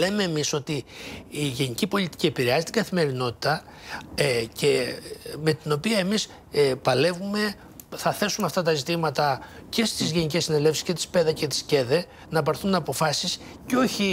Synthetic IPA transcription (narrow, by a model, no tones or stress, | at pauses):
leme̞ːmiso̞t̪iː | ʝe̞nicipo̞lit̪i̥cʲiepiɾeɐzit̪iɡɐθime̞ɾino̞t̪i̥t̪ɐ | ceme̞t̪ino̞piɐe̞mis | pɐle̞vume̞ | θɐθe̞sunɐft̪ɐt̪ɐzit̪imɐt̪ɐce̞st̪izʝe̞nice̞sːine̞le̞fsi̥sce̞t̪i̥spe̞ðɐce̞t̪i̥sce̞ðe̞ | nɐpɐɾθunɐpo̞fɐsis | ceo̞çi